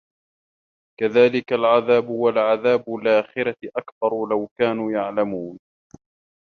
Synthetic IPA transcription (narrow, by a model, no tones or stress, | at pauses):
kaðaːlɪkalʕaðaːbʊwalʕaðaːbʊlʔaːxɪɾaʔakθɑɾˤlawkaːnuːjaʕlamuːn